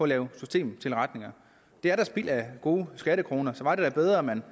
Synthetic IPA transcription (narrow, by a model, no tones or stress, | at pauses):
ɒ̽ɒlɛːʊsysd̥e̝̰ːmt͡sʰe̝lʁɑd̥ne̝ŋɐ | d̥e̝æɐɾ̥æsb̥ḭl̰æɡ̥o̝ːsɡ̥æɾəkʰʁo̝ːnɐsɒ̽ʋɑ̈d̥ed̥æb̥eð̞ˠʁɐmæn